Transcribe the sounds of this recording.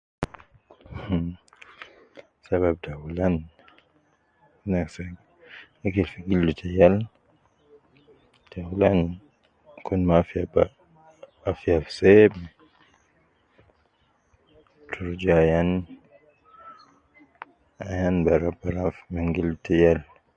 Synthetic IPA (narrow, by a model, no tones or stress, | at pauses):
h | saβab̚tawulan | inaksaɡ | akilfiɡildutʰɛjal | dawulan | kʰunmafiaba | afiafsɛbɛ | tʰuɾd͡ʒajan | ajanbaɾabaɾafmiŋɡilutɛjal